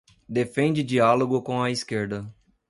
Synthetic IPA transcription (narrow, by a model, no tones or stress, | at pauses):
d̪efẽnd͡ʒɪd͡ʒialoɡʊkõɐiskeɾd̪ɐ